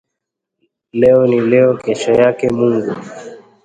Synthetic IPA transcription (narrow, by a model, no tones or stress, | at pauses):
lɛɔnilɛɔkɛʃɔjakɛmuŋɡu